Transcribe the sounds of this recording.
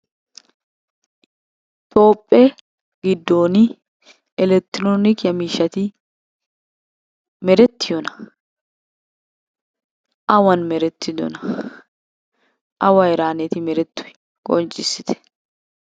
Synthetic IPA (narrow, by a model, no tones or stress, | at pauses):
t̪ʰʼo̞ːpʼːeː | ɡɪd̪ːo̞ːni | ɛlɛk̚t̪ːɾonɪkjɐmiːʃɐt̪i | mɛɾɛt̪ːɪjɔnɐ̥ | ʔɐwɐnmɛɾɛt̪ːɪd̪ʊ̰nɐ | ʔɐwɐɪɾaːnɛt̪ɪmɛɾɛt̪ːʊ̥ɛ̥ | ɡ̥ont͡ʃʼɪsɪt̪ɛ̥